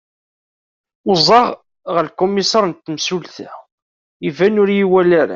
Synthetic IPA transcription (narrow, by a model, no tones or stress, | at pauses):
ʊzˤɑʁ | ʁəɾlkʊmːisɑɾˤnt̪ːəmsulθæ | ivænʊɾjiwælæɾæ̰